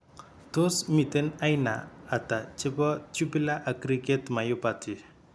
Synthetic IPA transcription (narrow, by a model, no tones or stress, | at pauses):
t̪osmit̪enajna̰ːt̪at͡ʃebɔt͡ʃupilaʔakɾiket̪majupat̪i